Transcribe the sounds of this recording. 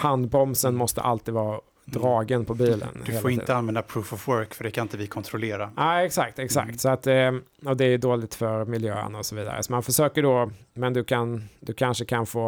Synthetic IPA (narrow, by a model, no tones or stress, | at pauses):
hand̪bɔmsənmɔst̪ə̰ʔalt̪iːd̪vɑːɾa | d̪ɾɑːɡənpʰɔbiːlə̰nd̪eːfoːɪnd̪əanmɛnd̪apʰɾuːfɔvwœɾkfœɖɛkʰanɪnt̪əvɪkʰɔnt̪ʰɾɔleːɾanæɪɛksak̚t̪ɛksa̰kt̪sɔat̪d̪ɛ | ɔd̪ɛæɾjɵd̪oːlɪt̪fœɾmɪljø̰ːə̰nɔsɔviːd̪a̰ɾə̰sɔmanfœʂøːkəɖɔmɛnd̪ɵkʰand̪ɵkʰanʂəkʰanfoː